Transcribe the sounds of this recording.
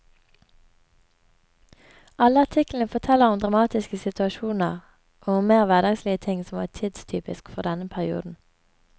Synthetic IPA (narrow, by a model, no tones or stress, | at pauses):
ɑləɑt̪ʰɪkl̩n̩əfɔt̪ʰɛləʁʊmd̪ʁɑmɑːt̪ɪskəsɪt̪ʰʉɑʃuːnəʁ | ʔoːʊmmeːʁʋæʁd̪ɑɡsliːət̪ʰɪŋsɔmʋɑ̰ːt̪ʰiːd̪st̪ʰyːpɪskfɔʁd̪ɛnəpʰæʁɪṵːd̪n̩